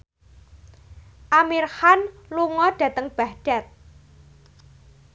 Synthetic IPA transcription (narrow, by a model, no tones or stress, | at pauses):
ʔamirhanluŋɔɖ̥ä̤t̪əŋb̥ahɖ̥a̤t̪̚